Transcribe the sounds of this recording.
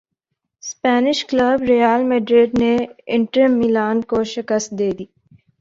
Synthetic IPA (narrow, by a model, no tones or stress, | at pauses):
spɛːnɪʃkləbɾijaːlmeɖɾeɖneɪɳʈəmilaːnkoʃɪkəst̪d̪eːd̪iː